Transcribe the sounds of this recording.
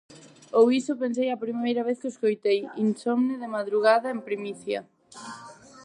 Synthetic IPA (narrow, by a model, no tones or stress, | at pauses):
owisopensejɐpɾimejɾɐβeθkɪoskojt̪ejḭnsɔmnɪðɪmaðɾuɣaðɐempɾimiθjɐ̰